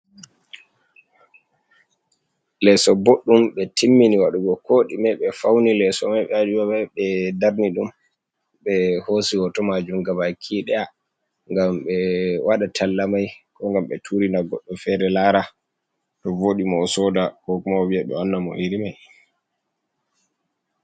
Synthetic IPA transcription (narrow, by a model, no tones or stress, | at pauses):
lɛsɔboɗːumɓɛtʰimːiniwaɗuɡɔkʰoːɗimaɓɛfawnilɛsɔmajɓɛad͡ʒuwabɛɓɛdaɾniɗum | ɓɛhosiwɔtɔmad͡ʒumɡabakʰiːɗɛja | ŋɡamɓɛwʔaɗatʰalːamajkɔŋɡamɓɛtʰuɾinaɡɔɗːumfɛɾɛlaɾa | tɔvoɗimɔːsɔdakɔkumawwiaɗɔ̰anːamɔ̰hiɾimaj